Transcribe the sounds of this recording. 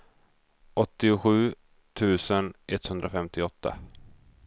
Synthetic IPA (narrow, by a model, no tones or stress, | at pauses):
ʔɔt̪ːɪʊɧʉ̟ː | t̪ʰʉ̟ːsənʔɛt̪hɵnd̪ɾafɛmt̪ɪɔt̪ːa̰